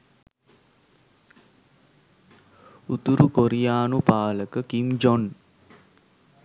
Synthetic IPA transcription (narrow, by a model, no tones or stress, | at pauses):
ut̪uɾukoɾijaːnupaːləkəkimd͡ʒon